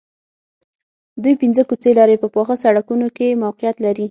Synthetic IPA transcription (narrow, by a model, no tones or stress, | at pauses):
d̪ujpinzəkut͡selɑɾepəpɑxəsaɽakunokemawqijat̪laɾi